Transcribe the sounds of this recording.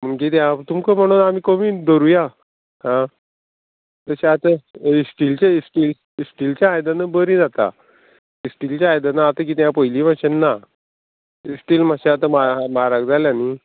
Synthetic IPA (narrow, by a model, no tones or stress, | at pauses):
m̤əɳkiːt̪jãt̪umkəm̤əɽ̃onamiːkomiːd̪əɾuja | hã | t̪əɕaat̪əisʈilt͡ɕaisʈiːl | isʈilt͡ɕjãːjd̪ənəbəɾĩːd͡zat̪a̰ | isʈiːlt͡ɕaajd̪ənaat̪ək̬iːt̪jãpəjliːmaɕenːa | isʈiːlmaɕeat̪əmamaɾaɡd͡zaljani